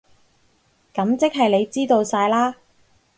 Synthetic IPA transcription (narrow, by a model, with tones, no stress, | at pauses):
kɐ˨˧˥mt͡sɪ˥k̚ɦɐ˨jle˨˧jt͡siː˥t̪o˧wsaː˧jlaː˥